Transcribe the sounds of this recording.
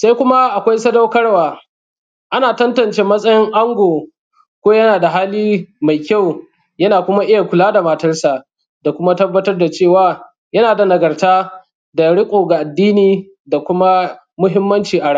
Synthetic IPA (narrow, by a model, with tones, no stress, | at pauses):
sa˦jkʷʊ˦ma˦ʔa˨kʷa˦jsɐ˦da˦wkɐ˦rwaː˨ | ʔa˦naː˨tɐ˦ntɐ˨nt͡ʃeː˦mɐ˦sʼɐ˦jɪ˦ŋʔa˦ŋɡʷoː˨ | kʷoː˦jɐ˦naː˨da˨ɦaː˦liː˦ma˨jkʲa˦˨w | jɐ˦naː˨kʷʊ˦ma˦ʔɪ˦ja˨kʷʊ˨laː˦da˨ma˦tɐ˦rsa˨ʔ | da˨kʷʊ˦ma˦tɐ˦bːɐ˦tɐ˦rda˨t͡ʃeː˦˨waː˨ | jɐ˦naː˨da˨nɐ˨ɡɐ˨rtaː˦ | da˨ɽɪ˦kʷʼoː˨ɡa˨ʔa˨dːiː˦niː˦ | da˨kʷʊ˦ma˦ | mʊ˦ɦɪ˦mːɐ˦nt͡ʃiː˨ʔa˨ɽa˦˨